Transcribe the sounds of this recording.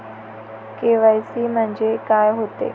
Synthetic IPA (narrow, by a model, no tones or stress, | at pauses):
keːʋajsimə̃ɲd͡ʑekaːjɦot̪ḛː